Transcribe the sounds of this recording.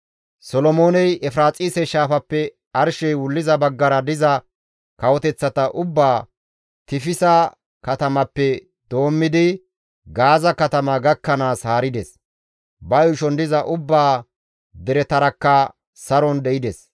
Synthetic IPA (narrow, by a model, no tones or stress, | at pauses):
sɔlɔmo̞ːnɛjɛfɾaːt͡sʼiːsɛʃaːfɐpːɛ | ɐɾʃɛjwʊlːɪzɐbɐɡːɐɾɐd̪ɪzɐ | kɐwɔt̪ɛt͡sːɐt̪ɐʔʊbːaː | t̪ɪfɪsɐ | kɐt̪ɐmɐpːɛ | d̪̥o̞ːmːɪd̪ɪ | ɡaːzɐkɐt̪ɐmɐɡɐkːɐnaːshaːɾɪd̪ɛs | bɐjʊʃɔnd̪ɪzɐʔʊbːaː | d̪ɛɾɛt̪ɐɾɐkːɐ | sɐɾɔnd̪ɛʔɪd̪ɛs